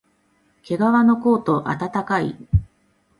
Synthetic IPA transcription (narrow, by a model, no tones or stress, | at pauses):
kʰe̞ɡaβano̞ko̞ːt̪o̞ʔa̰t̪at̪akaḭ